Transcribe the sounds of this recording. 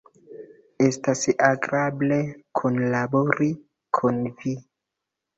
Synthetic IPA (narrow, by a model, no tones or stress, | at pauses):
estasaɡɾable̞kʰonlaboɾi | kʰonvi